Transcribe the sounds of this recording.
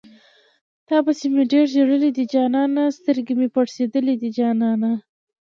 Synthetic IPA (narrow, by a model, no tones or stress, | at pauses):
t̪ɑbasemeɖeɽʒeɽəlid̪id͡ʒɑnɑnast̪əɾɡemepaɽsed̪əlid̪id͡ʒɑnɑna